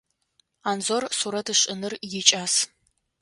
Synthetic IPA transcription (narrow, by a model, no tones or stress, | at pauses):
aːnzorsuɾɐtʰɨɕʼɪnɨrjɪt͡ʃʼaːs